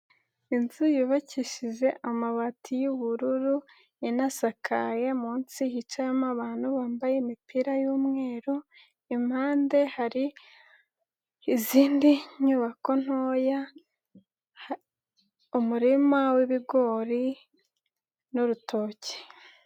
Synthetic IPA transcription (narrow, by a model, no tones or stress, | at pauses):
inzujuβaciʃiʒe̞ʔamaβatʰijuβuɾuɾu | inasakʰajemuːnt͡sihit͡ʃajamaβaːn̥huβaːmbajemipiɾajuːmŋe̞ːɾo | im̥haːnde̞haɾi | iziːndiɲuβako̞n̥hoːja | umuɾimaweβiɡo̞ɾi | nuɾutʰo̞ːce̥